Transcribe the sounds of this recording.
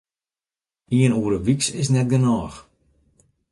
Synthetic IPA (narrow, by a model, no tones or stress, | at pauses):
iənuəɾəʋiksɪs̬nɛt̚ɡənɔːx